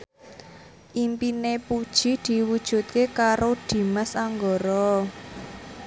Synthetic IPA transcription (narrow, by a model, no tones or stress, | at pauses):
ʔimpinepud̥ʒ̥i̤d̪̥i̤wud̥ʒ̥ṳt̪̚kekaɾod̪̥i̤məsaŋɡɔɾɔ